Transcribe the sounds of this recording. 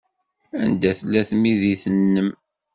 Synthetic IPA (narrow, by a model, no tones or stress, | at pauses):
ænd̪æθlːæθmiðiθənːəm